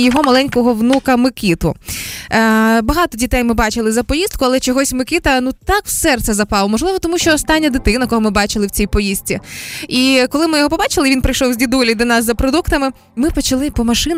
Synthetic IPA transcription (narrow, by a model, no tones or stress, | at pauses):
jɔɦɔmɐlˠɛnʲkɔɦɔʋnukɐmɪkʲit̪ʊ | bɐɦɑt̪ɔdʲit̪ɛjmɪbɑt͡ʃɪlˠɪzɐpɔjist̪̚kʊɐlˠɛt͡ʃɔɦɔsʲmɪkʲit̪ɐnut̪ɑkwsɛrt̪sɛzɐpɑlˠmɔʒlɪʋɔt̪ɔmuʃʲt͡ʃɔːst̪ɑnʲːɐd̪ɪt̪ɪnɐkɔɦɔmɪbɑt͡ʃɪlˠɪwt͡sʲijpɔjist͡sʲiikɔlˠɪmɪjɔɦɔpɔbɑt͡ʃɪlˠɪʋʲinpɾɪjʃɔwzʲdʲid̪ulʲid̪ɔnɑzːɐpɾɔd̪ukt̪ɐmɪ | mɪpɔt͡ʃɐlˠɪpɔmɐʃɪn